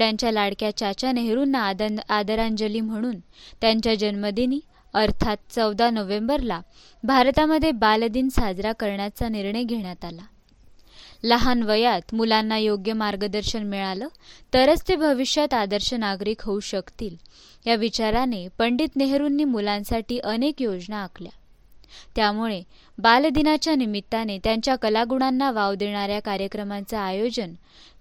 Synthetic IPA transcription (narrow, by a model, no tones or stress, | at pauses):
ɽjaɲt͡ɕjalaɽkjat͡ɕjat͡ɕjaneɦɾuːnːaad̪əɾaɲd͡ʑəliːm̤əɽ̃uːnt̪jaɲt͡ɕjad͡ʑənməd̪ʱiniː | əɾt̪ʰat̪̚t͡səwd̪anəʋẽmbəɾla | bʱaɾt̪aməd̪ʱːjebald̪iːnsad͡zɾakəɾɳjat͡saniɾɳəjɡʱeɽ̃jat̪ala | ləɦanʋəjat̪mulanːajoɡjəmaɾɡəd̪əɾɕənmiɭaləːt̪əɾət͡st̪ebʱəʋiɕjət̪ad̪əɾɕənaɡɾiːkɦəuɕəkt̪iːl | jaʋit͡ɕaɾanepəɳɖit̪neɦɾuːnːiːmulãnsaʈiːʔənekjod͡znaːkʰlja | t̪jamuɭe | bald̪inat͡ɕjanimit̪ːanet̪jaɲt͡ɕjakəlaɡuɳ̃anːaʋaʋd̪eɳ̃aɾjakaɾjəkɾəmant͡saːjod͡ʑən